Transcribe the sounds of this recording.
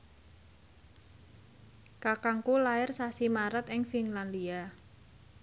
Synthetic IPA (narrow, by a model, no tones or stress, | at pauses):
kakaŋkulaɪrsasimaɾət̪ɪŋfiŋland̪ia